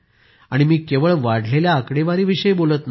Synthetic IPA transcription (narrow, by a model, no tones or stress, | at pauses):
aɽ̃imiːkeʋəɭʋaɽ̤ʱleljaːkɽeʋaɾiːʋiɕəjbolət̪na